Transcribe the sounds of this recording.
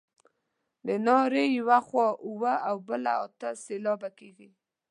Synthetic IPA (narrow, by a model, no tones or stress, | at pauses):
d̪ənɑɾejawaxwɔʔuwəawbəla̰ɔt̪əselɔbakeɡi